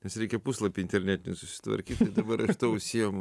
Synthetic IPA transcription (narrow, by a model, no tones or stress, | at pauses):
nʲɛsɾʲɛɪkʲɛpuslˠɐpʲiɪnʲt̪ʲɛɾʲnʲæːt̪ʲɪnʲʊsʊsʲɪ̥t̪ʋɐ̰ɾʲkʲiːt̪t̪ɐɪd̪ɐbɐɾɐʃt̪ɐʊsʲiɛmʊ